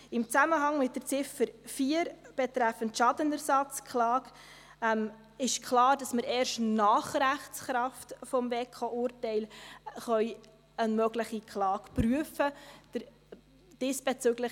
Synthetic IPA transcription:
ɪmt͡sæməɦɑŋmɪt̚d̥əɾt͡sɪfəɾfiəɾ | b̥ɛtɾæfəntʃɑdənəɾsɑt͡skʰlɑːɡ | ɛm | ɪʃkʰlɑːɾdɑsməɾɛːɾʃtnɑːχɾæχt͡sχɾɑftfɔmveːkʰoʔʊːɾtɛɪlχœʏ | ənmœɡləχikχlɑːkpryəfəd̥əɾ | d̥ɪsb̥ɛt͡søɡlə

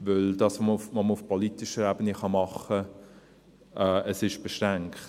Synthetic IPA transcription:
ʋøld̥ɑsʋoməʊfʋoməʊfpʰolit̪ɪʃəɾæbəniχɑmɑχə | ʔɛəsɪʃb̥ɛʃɾæŋkχt

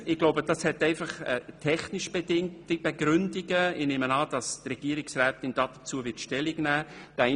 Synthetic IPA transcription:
ɪɡ̥loʊbəd̥ɑshɛtɛɪfɑχɛtʰɛχnɪʃb̥edɪŋtib̥ɛɡɾʏndiɡ̥əɪneːmənɑːd̥ɑstrɛɡ̥iəɾɪksrɛːtɪnd̥ɑːd̥ət͡suəvɪtʃtɛliɡnæːd̥ɛ

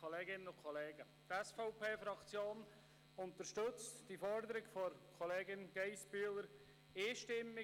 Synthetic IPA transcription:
oleːɡɪnənʊkʰoleːɡə | t̪ɛsfɔʊpʰeːfɾɑkt͡sjoːn | ʊnt̪əɾʃtɵt͡std̥ifɔɾd̪əɾɪɡfɔɾkʰɔleːɡɪnɡ̥eɪsb̥yːləɾ | eːʃtɪmːɪ

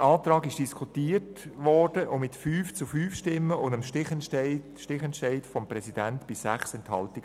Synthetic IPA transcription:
ɑːt̪ɾɑːɡɪʃd̥iskʰutiːərtʋɔɾd̥əʔʊmɪtfyːft͡sʊfyːfʃtɪmːəʊndəmʃɪχɪ | ʃtɪχɛntʃɛɪdfɔmprɛsidæntb̥ɪsæχsɛnthɑ̰ltiɡ

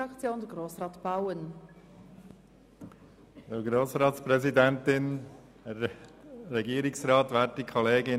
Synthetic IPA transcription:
ɑkt͡sjoːnd̥əɡroːsrɑːtb̥aʊən | dəɡɾoːsɾɑːtspɾɛzidɛntɪn | ɛː | ɛɡiːɾɪksrɑːt̪ʋɛːɾt̚ːikʰɔleːɡɪ

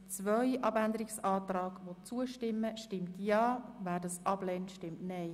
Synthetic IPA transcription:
t͡svœʏʔɑbændəɾɪksɑːt̪ɾɑːɡʋot͡suəʃtɪmːəʃtɪmtjɑːvæːɾdɑsʔɑb̥lɛːntʃtɪmtnɛɪ

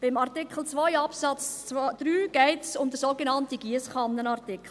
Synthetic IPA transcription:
b̥ɪmɑrtɪkχl̩ˠt͡sʋɔjɑpsɑt͡sd̥̪ɾyːɡ̥ɛɪtsʊmd̪əsoɡenɑntiɡ̥iəsχɑnːənɑrtɪkχl̩

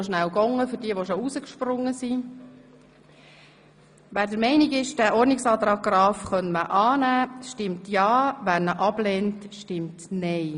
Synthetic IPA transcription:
ʃnæwɡɔŋːəfʏɾdiəʋoʃousəkʃprʊŋːəsi | ʋæːɾdəɾmɛɪnɪɡɪʃd̥æʔɔrniksɑːt̪ɾɑːɡ̚ɡɾɑːfχœnməʔɑːnæːʃtɪmtjɑːʋæɾnəʔɑb̥lɛːntʃtɪmtnɛɪ

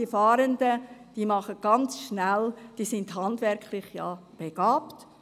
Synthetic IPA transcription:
ifɑːɾəndəd̥iːmɑχət̚ɡ̥ɑnt͡sʃnæld̥iːsɪnd̥hɑndʋɛɾkχlɪχjɑ̰b̥eɡ̥ɑːpt

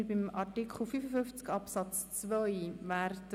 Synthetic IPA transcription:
ɾbimɑɾtikχl̩fyfəfʏft͡skɑpsɑt͡st͡svœjvæɾt

